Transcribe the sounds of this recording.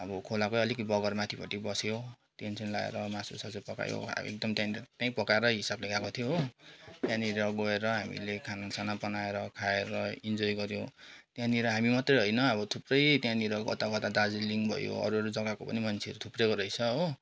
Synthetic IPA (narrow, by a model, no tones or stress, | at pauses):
ʌbʌkʰolakoʌlikbʌɡʌrmat̪ʰibʱʌ̰ʈibʌso | t̪ensʰʌnlaḛɾʌmasusʌd͡zʌjpʌka̰jo̰a̰b̰ḛk̚d̪ʌmt̪jant̪jãĩpʌkaeɾʌɦisableɡakot̪ʰijot̪jãniɾʌɡʌeɾʌɦamḭlekʰanasanapʌnaeɾʌkʰaeɾʌind͡zojɡʌɾjot̪jãniɾʌɦamimʌt̪rʌjɦʌjnʌːbʌt̪ʰuprʌjt̪jãniɾʌɡʌ̰t̪aɡʌt̪ad̪ad͡ziliŋbʱʌ̰jo̰ʌ̰ɾuɦʌɾud͡zʌɡakopʌ̰nimʌnt͡sʰeʌɾut̪ʰuprekoɾʌjt͡sʰʌɦo